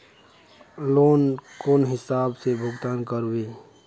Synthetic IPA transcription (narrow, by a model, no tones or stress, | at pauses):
loːnkoːnɦɪsaːbsebʱʊɡt̪aːnkəɾwe